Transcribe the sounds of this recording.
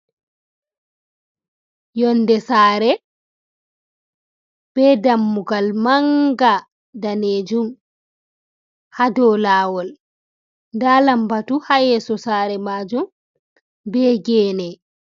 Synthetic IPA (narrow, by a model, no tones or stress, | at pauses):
jɔndɛsaːɾɛ | b̥ɛdamːuɡalmaŋɡa | daneːd͡ʒum | hadɔːlaːwɔl | ndalambatuhajɛsɔsaːɾɛmad͡ʒum | bɛːɡɛːnɛ